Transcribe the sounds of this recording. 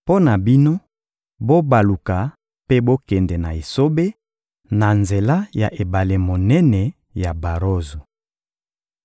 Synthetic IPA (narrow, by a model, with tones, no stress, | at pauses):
po˦na˨bi˦no˦ | bo˦ba˨lu˨ka˨ | pe˦bo˦kɛ˨ndɛ˨na˨e˨so˦be˦ | na˨nze˨la˦ja˨ʔe˨ba˨le˨mo˨nɛ˦nɛ˨ | ja˨ba˨ʁo˦zu˨